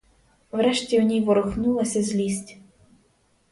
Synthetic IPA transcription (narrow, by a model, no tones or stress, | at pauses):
wɾɛʃtʲiʊnʲijʋɔɾʊxnulˠɐsʲɐzʲlʲisʲtʲ